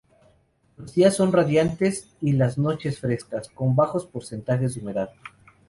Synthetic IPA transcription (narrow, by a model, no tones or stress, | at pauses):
lo̞zd̪iasːo̞nraðjant̪e̞s | ilazno̞t͡ʃe̞sfɾe̞skasko̞mbaxo̞spoɾse̞nt̪axezd̪ume̞ðað